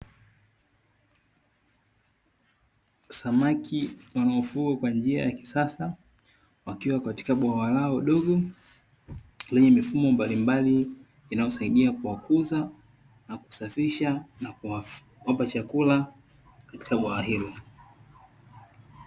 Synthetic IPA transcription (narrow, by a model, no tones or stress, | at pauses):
samakiwanaɔfuɡakwand͡ʒia̰jaki̥sasa | wakiwakati̥kaɓwawalaɔɗɔɠɔ | lɛɲɛmifumɔmbalimbaliː | najɔsaiɗiakuwakuza | naku̥safiʃanakua | wapat͡ʃakula | kati̥kaɓwaahilɔ